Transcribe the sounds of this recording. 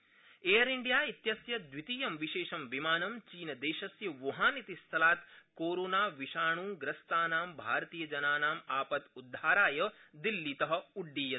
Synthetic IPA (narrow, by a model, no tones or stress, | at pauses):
eːjɐɾiɳɖijaːit̪jɐsjɐd̪ʋit̪iːjɐmʋiʃeːʃɐmʋimaːnɐmt͡ʃiːnɐd̪eːʃɐsjɐʋoɦaːnit̪ist̪ʰɐlaːt̪koːɾoːnaːʋiʃaːɳ̃uːɡɾɐst̪aːnaːmbʱaːɾɐt̪iːjɐd͡ʒɐnaːnaːmaːpɐt̪ud̪ʱːaːɾaːjɐd̪ilːit̪ɐɦɐ̆uɖːiːjɐ